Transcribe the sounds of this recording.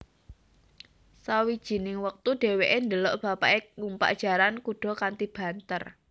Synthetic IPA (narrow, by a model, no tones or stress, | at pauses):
sawid̥ʒ̥i̤nɪŋwək̚t̪uɖ̥e̤weʔend̪əlɔ̰ʔb̥a̤paʔeŋumpa̰ʔd̥ʒ̥a̤ɾankuɖ̥ɔ̤kant̪ib̥a̤nt̪ər